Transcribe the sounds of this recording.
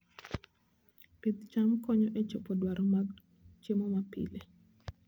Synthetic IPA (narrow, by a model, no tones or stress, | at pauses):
pit̪t͡ʃamkɔɲɔʔet͡ʃopɔdwaɾɔma | t͡ʃemomapḭle